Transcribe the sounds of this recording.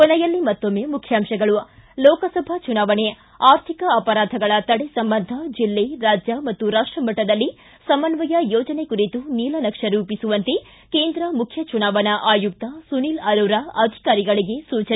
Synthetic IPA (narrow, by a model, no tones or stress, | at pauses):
kɔnɐjɐlːimɐt̪ːomːeːmukʰjaːmʃɐɡɐɭulɔːkɐsɐbʱɐt͡ʃunaːʋɐne | aːɾt̪ʰikɐɐpɐɾaːd̪ʱɐɡɐɭɐt̪ɐɽesɐmbɐnd̪ʱɐd͡ʒilːeɾaːd͡ʒjɐmɐt̪ːuɾaːʂʈɾɐmɐʈːɐd̪ɐlːi | sɐmɐnʋɐjɐjoːd͡ʒɐne̞kuɾit̪uniːlɐnɐkʂɐɾuːpisuʋɐnt̪e | keːnd̪ɾɐmukʰjɐt͡ʃunaːʋɐnɐʔaːjuk̚t̪ɐsuniːlɐɾuːɾɐɐd̪ʱi̥kaːɾiɡɐɭiɡe̞suːt͡ʃɐn